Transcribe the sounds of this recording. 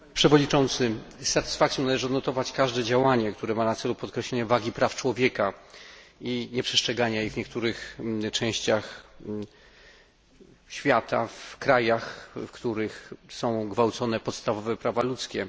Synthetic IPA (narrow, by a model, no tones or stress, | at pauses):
pʂɛvɔɲit͡ʂɔnt̪sɘst̪at̪ɘ̥sfak̚sʲjɔ̃nalɛʐɘɔd̪nɔt̪ɔvat͡ɕkaʐd̪ɛd͡ʑawaɲɛkt̪uɾɛmanat̪sɛlupɔt̪̚kɾɛɕlɛɲavaɡʲipɾaft͡ʂwɔvʲjɛka | iɲɛpʂɛ̥stʂɛɡaɲajivɲɛkt̪uɾɘxt͡ʂɛ̃w̃ɕt͡ɕax | ɕfʲjat̪afkɾajaxfkt̪uɾɘxsɔ̃w̃ɡvawt̪sɔnɛpɔt̪st̪avɔvɛpɾavalut̪skʲɛ